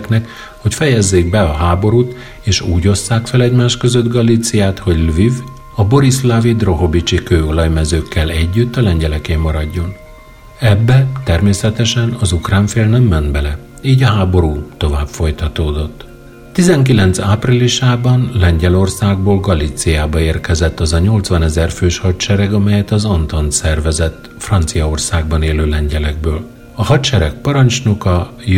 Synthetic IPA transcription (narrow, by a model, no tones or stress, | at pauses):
knɛk | ho̞cfɛjɛzːeːɡbɛɒɦaːbo̞ɾuːt̪ | eːʃuːɟo̞sːaːkfɛlɛɟmaːʃkø̞zød̪ɡɒlit̪sijaːt̪ho̞ɟlviv | ɒbo̞ɾislavid̪ro̞ɦo̞bit͡ʃikøːo̞lɒjmɛzøːkːɛlɛɟːyt̪ːɒlɛɲɟɛlɛkeːmːɒɾɒɟːo̞n | ɛbːɛt̪ɛrmeːsɛt̪ɛʃɛnɒzukraːɱfeːlnɛmːɛnd̪bɛlɛ | iːɟɒɦaːbo̞ɾuːt̪o̞vaːbfo̞jt̪ɒt̪oːd̪o̞t̪ː | t̪izɛŋkilɛnt̪saːpriliʃaːbɒnlɛɲɟɛlo̞rsaːɡ̚boːlɡɒlit̪sijaːbɒeːrkɛzɛt̪ːɒzɒɲo̞lt̪sʋɒnɛzɛrføːʃhɒt̪t͡ʃɛɾɛɡɒmɛjɛt̪ɒzont̪ont̪sɛrvɛzɛt̪ː | frɒnt̪sijɒo̞rsaːɡ̚bɒneːløːlɛɲɟɛlɛɡ̚bøːl | ɒhɒt̪ʃɛɾɛk̚pɒɾɒnt͡ʃnukɒ